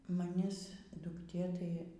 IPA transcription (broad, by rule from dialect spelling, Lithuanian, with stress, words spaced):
mɐˈnʲɪs dʊkˈtʲeː tɐɪ